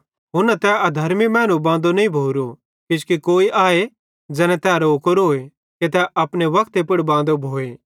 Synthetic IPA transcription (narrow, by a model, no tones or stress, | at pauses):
ɦʊɾnat̪ɛɐd̪ʱɐɾmimɛːnubãːnd̪onɐĩbʱoːɾo | kɪskikoːiʔaːe | d͡ʒɛːnɛ̃t̪ɛːaɾoːkoɾoːe | ket̪ɛʔɐpɽeʋɐkt̪epʊɽbãːnd̪obʱoːeː